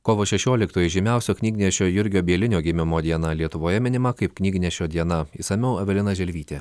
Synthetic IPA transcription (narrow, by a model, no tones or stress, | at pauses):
koːʋoːʃʲɛʃʲoːlʲɪkt̪oːjɛɪʒʲɪmʲɛˑʊsʲoːknʲiːɡʲnʲɛʃʲoːjʊɾʲɡʲoːbʲiɛlʲɪnʲoːɡʲɪmʲɪmoːd̪ʲiɛnɐlʲiɛt̪ʊʋoːjɛmʲɪnʲɪmɐkɐɪpknʲiːɡʲnʲɛʃʲoːd̪ʲiɛnɐiːsɐmʲɛʊɐʋʲɛlʲɪnɐʒʲɛlʲʋʲiːt̪ʲeː